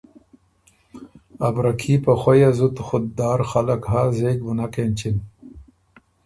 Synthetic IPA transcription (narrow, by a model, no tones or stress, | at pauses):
abɾakʰiːpaxwajazut̪xʊd̪̚d̪aːɾxalɐkɦaːzeːɡbunakent͡ɕin